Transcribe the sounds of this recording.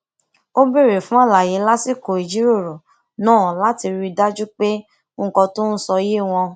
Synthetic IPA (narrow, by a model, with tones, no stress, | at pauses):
o˦be˦˨ɾe˨fũ˨˦a˦˨la˨je˨˦la˦si˦˨ko˨i˨d͡ʒi˨˦ɾo˦˨ɾo˨ | nãː˦˨la˦ti˧ɾi˧da˦d͡ʒu˦k͡pe˦˨˦ | kɔ̃˧to˦n̩˦sɔ˧je˦˨w̃ɔ̃˧